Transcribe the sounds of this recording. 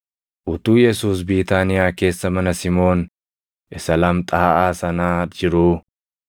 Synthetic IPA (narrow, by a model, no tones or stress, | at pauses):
ʔʊt̪uːjɛsuːs̬biːt̪aːnɪjaːke̞ːsːɐmɐnɐsɪmo̞ːn | ʔɪsɐlɐmt̪ʼɐhɐʔaːsɐnaːd͡ʒɪɾuː